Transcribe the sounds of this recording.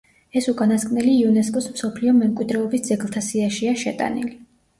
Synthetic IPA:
ɛsukʼanaskʼnɛliːɔnɛskʼɔsmsɔpʰliɔmɛmkʼwid̪ɾɛɔbisd̪zɛɡlˠt̪ʰasiaʃiaʃɛ̰t̪ʼa̰nḭli

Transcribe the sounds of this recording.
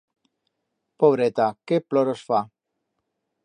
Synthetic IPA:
poβɾet̪akeploɾosfa

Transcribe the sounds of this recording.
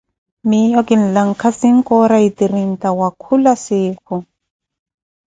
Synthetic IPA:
mijɔkin̩laŋ̩kʰasiŋ̩kɔɾaitiɾin̩tawakʰulasɪːkʰʊ

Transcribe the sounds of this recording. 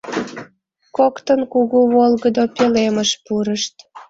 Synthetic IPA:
kokt̪ənkuɣuβolɣəd̪opeleməʃpuɾəʃt̪

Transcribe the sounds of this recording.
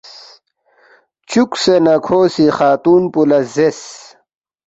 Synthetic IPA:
t͡ɕuksenɐkʰoːsixaːt̪uːnpulɐzes

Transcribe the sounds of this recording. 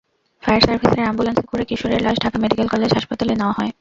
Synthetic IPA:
fajɾsaɾfiseɾambulansekuɾekiʃoɾeɾlaʃɖʱakameɖikelkɔled͡ʑɦaʃpat̪alenaoaɦɔe

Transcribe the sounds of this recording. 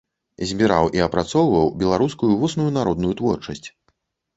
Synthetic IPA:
zʲbʲiɾa̰wʔiɐpɾat̪sɔwvɐwbʲɛlˠaɾuskujuvusnujunaɾɔd̪nujut̪vɔrt͡ʂɐsʲt͡sʲ

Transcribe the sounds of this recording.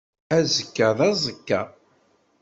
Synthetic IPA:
æzəkːæðˤɑzˤəkːa

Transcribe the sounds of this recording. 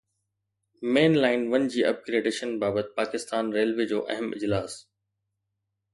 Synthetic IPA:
meːnlaːɪnʋɐnd͡ʑiːʔɐ̰b̚kɾeːɖeːʃənbaːbət̪ɪ̥paːkɪst̪aːnɾeːlʋeːd͡ʑoːʔɐ̰ɦɪmɪ̰d͡ʑlaːs

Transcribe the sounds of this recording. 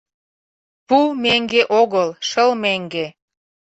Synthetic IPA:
pumeŋɡeʔoɣəlʃəlmeŋɡe

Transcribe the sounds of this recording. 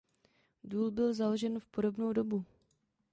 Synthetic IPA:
duːlbɪlzaloʒɛnfpo̞do̞bnowdo̞bu

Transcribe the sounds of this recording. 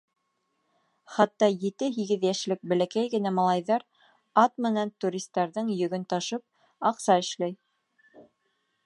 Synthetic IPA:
χɑt̪ːɑjɘ̆t̪ɘɦiɡɘðjæʃlɘk̚bæ̆lækæjɡɘ̆næmɑlˠɑjðɑɾ | ɑt̪mɘ̆nænt̪uɾʲist̪ːɑɾðɤɴjɵ̆ɡɵnt̪ɑʃɤp̚ | ɑqsɑɘ̆ʃlæj

